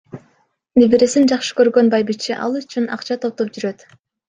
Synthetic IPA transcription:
bibiɾesind͡ʒɑχʃɯ̥kø̞ɾɡø̞nbɑjbit͡ʃːiʔɑ̰lˠyt͡ʃynɑ̰qt͡ʃɑt̪ʰo̞p̚t̪op̚d͡ʒyɾø̞t̪

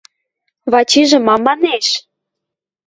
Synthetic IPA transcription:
βɑt͡ɕiʒĕmɑmɑneʃ

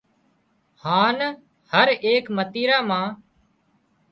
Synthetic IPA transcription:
haːn | həɾeːkmət̪iːɾaːmãː

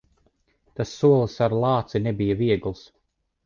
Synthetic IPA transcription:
t̪asːuɔlˠsaɾlˠɑːt̪sinɛbijaviɛɡlˠs

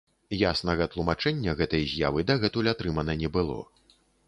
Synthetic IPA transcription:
jasnɐɣɐt̪lˠumat͡ʂɛnʲːɐɣɛt̪ɐjzʲjavɨd̪ɐɣɛt̪ulʲat̪ɾɨmɐnɐnʲɛbɨlˠɔ̰

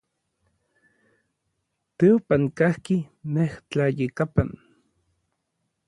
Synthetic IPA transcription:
t̪eopaŋkahkineht͡ɬajekapan

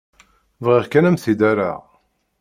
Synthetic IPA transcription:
vʁiʁkænæmθid̪æɾa̰ʁ

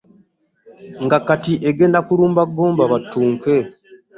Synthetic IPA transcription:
ŋɡakːatiʔeɡe̞ːndakuɾuːmbaɡːoːmbaβatːuːŋke

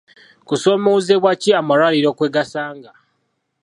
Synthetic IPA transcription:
kuso̞ːmozeβwaciamalwaliɾo̞ːkweːɡasaːŋɡa

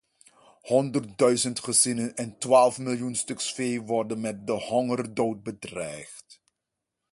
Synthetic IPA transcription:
hɔndərt̚dœɥzəntχəzɪnənɛntʋaːlˠfmɪlˠjunstɵksfejʋɔrdənmɛt̚dəhɔŋərdoːwt̚bədrɛjχt

